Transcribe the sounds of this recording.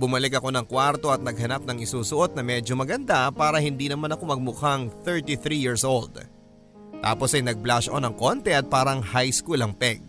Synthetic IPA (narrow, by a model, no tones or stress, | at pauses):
bʊmɐlɪkɐko̞nɐŋkwaɾt̪o̞ʔɐt̪̚nɐɡhɐnap̚nɐŋɪsuːsʊʔo̞t̪̚nɐmɛd͡ʒo̞mɐɡɐnd̪apaːɾɐhɪnd̪inɐmanɐko̞mɐɡ̚mʊkaŋθɛɹt̪iθɾijiɹsʔo̞ld̪ | t̪a̰ːpo̞sɐjnɐɡ̚blaʃɐʔo̞nɐŋko̞nt̪ɛʔɐt̪̚paːɾɐŋhajskulɐŋpɛɡ̚